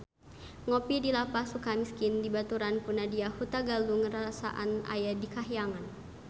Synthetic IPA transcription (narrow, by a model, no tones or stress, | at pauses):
ŋopidilapasukamiskindibat̪uɾanpunadiahut̪aɡaluŋəɾasa̰ʔa̰na̰jadikaɦjaŋan